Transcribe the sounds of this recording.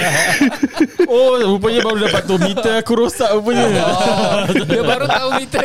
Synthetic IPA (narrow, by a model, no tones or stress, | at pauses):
oup̬əɲə̃baɾudapat̪omĩt̪əakuɾosaʔup̬əɲə̃ | diəbaɾut̪aumit̪